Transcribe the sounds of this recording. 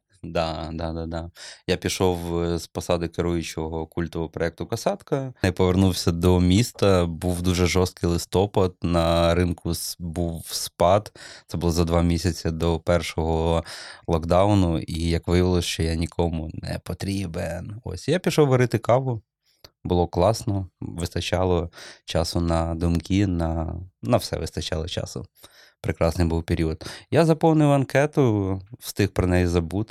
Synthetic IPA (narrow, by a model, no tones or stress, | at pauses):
d̪ɑd̪ɑd̪ɑd̪ɑjapʲiʃɔwspɔsɑd̪ɪkeɾujʊt͡ʃɔɦɔkulʲt̪ɔʋɔɔpɾɔɛk̚t̪ʊkɐsɑt̪kɐɛpɔʋernuwsʲɐd̪ɔmʲist̪ɐbuwd̪uʒɛʒɔst̪̚kɪjlˠɪst̪ɔpɐd̪nɐɾɪnkʰʊsbuwspɑd̪t̪sɛbʊlˠɔzɐd̪ʋɑmʲisʲɐt͡sʲɐd̪ɔpɛrʃɔɦɔlˠɔɡd̪ɑwnʊijɐkʋɪjʋɪlˠɔʃt͡ʃɔjanʲikʰɔmʊnɛ̰pɔt̪ɾʲibenɔ̰sʲjapʲiʃɔwʋɐɾɪt̪ɪkɑʋʊ | bʊlˠɔklˠɑsnɔʋɪst̪ɐt͡ʃɑlˠɔt͡ʃɑsʊnɐd̪ʊmkʲinɐnɐwsɛ̰ʋɪst̪ɐt͡ʃɑlˠɔt͡ʃɑ̰sʊ̰ | pɾɪkɾɑsnɪjbuwpʲeɾʲiɔd̪jazɐpɔwnɪjʊɐnkɛt̪ʊwst̪ɪxpɾɔnɛjizɐbut̪